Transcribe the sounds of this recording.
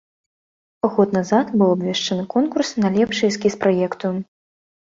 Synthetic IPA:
ɣɔt̪nazat̪bɨwɐbvʲɛʂt͡ʂɐnɨkɔnkursnɐlʲɛpʂɨjskʲispɾajɛkt̪u

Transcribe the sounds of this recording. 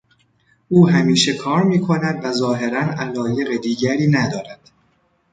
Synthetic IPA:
ʔuːhæmiːʃe̞kʰɒːɾmiːkʰo̞næd̪væzɒːɦe̞ɾænælɒːje̞ɣed̪iːɟæɾiːnæd̪ɒːɾæd̪̥

